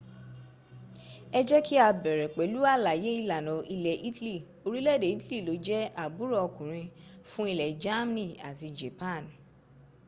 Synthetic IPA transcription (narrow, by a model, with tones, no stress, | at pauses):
ɛ˦d͡ʒɛ˦ki˦a˧bɛ˨ɾɛ˨k͡pɛ˨˦lu˦a˦˨la˨je˨˦i˦˧la˨nɔ̃˨˦i˧lɛ˨ʔi˦tli˦˨ | o˧ɾi˦lɛ˦˨de˨i˦tli˦˨lo˨˦d͡ʒɛ˦a˨bu˨˦ɾɔ˦˨ɔ˧kũ˨ɾ̃ĩ˧fũ˦i˧lɛ˨d͡ʒa˦m˦nĩ˦˨a˨ti˧d͡ʒe˨pa˦˨n˨